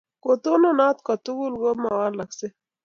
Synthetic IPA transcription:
kot̪ononaːt̪kat̪uɡulɡomawaːɾlakse

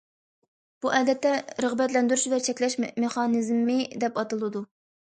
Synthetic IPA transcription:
b̥uʔɛːd̪ɛt̪ːɛɾəʁbɛt̪lɛnd̪yɾuʃvæt͡ʃʰɛkʲlɛʃmeχɑnɨzmːɪd̪ɛpɑt̪ɨlˠɨd̪u

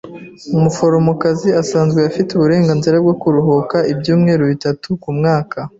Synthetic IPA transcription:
umufo̞ɾo̞mokaziasaːnzɡweafiteuβuɾe̞ːŋɡanziɾab̚ɡo̞kuɾuɦo̞kaibjuːmŋe̞ːɾoβitatukumŋaːkʰa

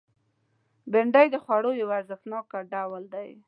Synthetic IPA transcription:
bɪɳɖajd̪əxwaɽojawaɾzəxt̪nɑkaɖawəld̪aj

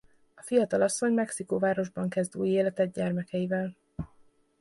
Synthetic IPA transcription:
ɒfijɒt̪ɒlɒsːo̞ɲmɛksikovaːɾo̞ʒbɒŋkɛzd̪uːjeːlɛt̪ɛd̪̚ɟɛrmɛkɛjivɛl

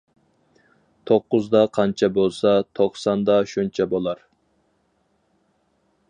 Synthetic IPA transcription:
t̪ʰoqːʊzd̪ɑqʰɑnt͡ʃʰɛbolˠsɑt̪ʰoχsɑnd̪ɑʃunt͡ʃʰɛbolˠɑɾ

